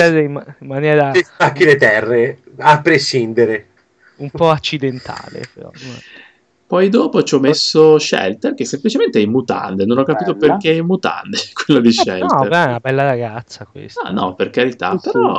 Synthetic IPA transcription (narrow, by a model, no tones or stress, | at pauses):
ɛdeimimːanjɛːɾaaakːinet̪ɛrːe | apːɾeʃind̪eɾe | umpɔat͡ʃːid̪ent̪ʰa̰ːlḛpeɾɔ̰ | pɔjd̪oːpot͡ʃɔmesːoʃɛ̰lt̪erk̟esːemplit͡ʃement̪eɛmːut̪a̰nd̪enonɔkːapiːt̪operk̟eɛmːut̪a̰nd̪ekwelːod̪iʃɛ̰lt̪ɛnabɛlːaɾaɡat̪sːakwḛsɔ̰nɔ̰perkaɾit̪a̰peɾɔ